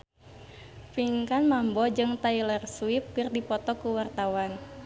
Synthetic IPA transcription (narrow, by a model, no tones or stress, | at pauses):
fiŋkanmambɔd͡ʒɨŋt̪ailɛrswip̚kɨrdipɔt̪ɔkuwart̪awan